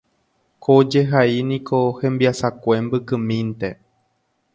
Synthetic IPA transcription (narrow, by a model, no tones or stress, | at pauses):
kʰod͡ʒe̞ɦainĩkʰohẽ̞mbiasakʷe̞mbɨkɨ̃mĩnt̪e̞